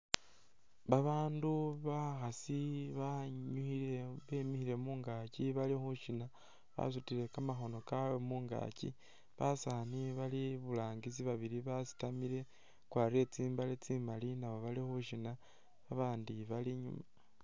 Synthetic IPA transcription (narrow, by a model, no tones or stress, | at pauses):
βaβaːnduβaxasiβaɲuxiɾeβe̞mixiɾe̞muːŋɡaciβalixuʃina | βa̰sutiɾe̞kamaxo̞no̞kawemuːŋɡa̰cḭ | βasaːniβaliβulaːŋɡiziβaβiɾiβasi̥tamiɾe̞ | kwaɾe̞t͡siːmbalet͡simalinawo̞βalixuʃina | βaβaːndiβaliɲṵma